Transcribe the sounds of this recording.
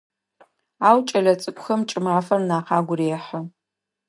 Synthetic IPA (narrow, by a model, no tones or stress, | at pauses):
aːwt͡ʃʼɐɮɐt͡sʼɨkʷʼʊxɐmt͡ʃʼɪmaːfɐrnaːqaːɡʷʊɾeːħɐ